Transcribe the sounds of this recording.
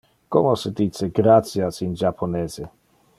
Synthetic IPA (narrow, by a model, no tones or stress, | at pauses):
komosed̪it͡seɡɾat̪sjasind͡ʒapʰoneːze